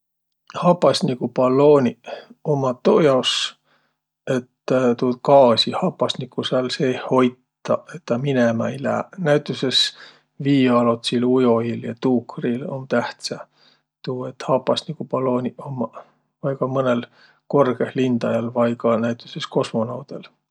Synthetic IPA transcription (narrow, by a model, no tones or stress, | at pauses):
hɑpːˑɑsʲnikupɑlo̞ːnʲiomɑt̪ojɑs | e̞t̪t̪uːd̪̚kɑːsihɑpːɑsʲnikːusɑlseːho̞jt̪ːˑɑe̞t̪ːɑminemɑjlæ̰ːnæjt̪ːˑuses | viːɑlot̪silujo̞iljɑt̪uːkrilo̞nt̪æht̪sɑ | t̪uːe̞t̪hɑpːˑɑsʲnikupɑlo̞ːnʲiomɑ | vɑjkɑmɤne̞l | ko̞rɡe̞hlind̪̥ɑjɑlvɑjkɑnæjt̪ːˑusesko̞smo̞nɑwd̪̥el